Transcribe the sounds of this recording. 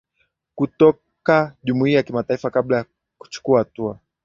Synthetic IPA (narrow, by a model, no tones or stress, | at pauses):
kutɔ | kaʄumuiːajakimataifakaɓlaja | ku̥t͡ʃu̥kuahatua